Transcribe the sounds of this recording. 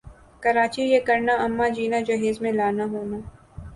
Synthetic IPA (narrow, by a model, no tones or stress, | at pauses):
kɐɾaːt͡ʃijekɐɾnaɐmːad͡ʒiːnad͡ʒɐɦeːzmẽlaːnaɦoːnaː